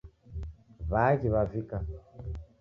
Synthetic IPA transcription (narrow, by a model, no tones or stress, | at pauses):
βad͡ʒiβavika